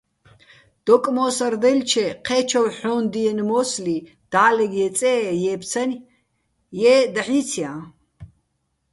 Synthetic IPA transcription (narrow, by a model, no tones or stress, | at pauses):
d̪̥ɔkʼmɔːsɐrd̪ɛlt͡ʃʰɛqʰɛːt͡ʃʰɔwħɔnd̪iɛnmɔsli | d̪̥aːlɛɡjɛt͡sʼɛːjɛːpʰt͡sʰɐnʲ | jɛːd̪aħit͡sʰjã